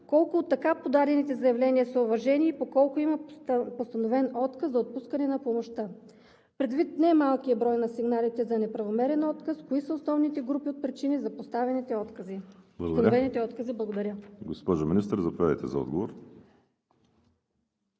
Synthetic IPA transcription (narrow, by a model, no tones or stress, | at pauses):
kɔlˠkʊot̪ːɐkapod̪aɾɛnit̪ɛzɐjɐvlɛniɐsɐʊvɐʒɛniːpokɔlˠkʊimɐpost̪ɐnovɛnɔt̪kəszɐot̪̚puskɐnɛnɐpomoʃt̪ə | pɾɛd̪vit̪nɛmalˠkiɐbɾɔjnɐsiɡnalit̪ɛzɐnɛpɾɐvomɛɾɛnɔt̪kəskoisəosnɔvnit̪ɛɡɾupiot̪̚pɾit͡ʃinizɐpost̪avɛnit̪ɛɔt̪kəziblˠɐsɡ̪ɐnɾovɛnit̪ɛɔt̪kəziblˠɐɡod̪ɐɾʲəɡospɔʒominist̪ɾzɐpovʲad̪ə̰jt̪ɛ̰zɐɔ̰d̪ɡovoɾ